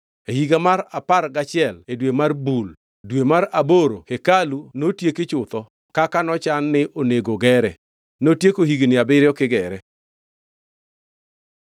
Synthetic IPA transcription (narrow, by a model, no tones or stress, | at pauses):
ehiɡamaɾapaɾɡat͡ʃɪɛledwemarbul | dwemaɾaboɾokekalunotjekɪt͡ʃʊt̪ɔ | kakanɔt͡ʃanːɪʔoneɡoɡɛɾɛ | notjekohiɡnɪabɪɾjɔkɪɡɛɾɛ